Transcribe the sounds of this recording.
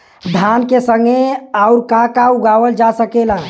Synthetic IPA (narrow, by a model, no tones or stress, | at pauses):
d̪ʱankesəŋɡeaʊɾkakauɡaʋəld͡ʒasəkela